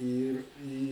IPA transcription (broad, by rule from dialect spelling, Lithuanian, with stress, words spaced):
ˈiːr ˈiː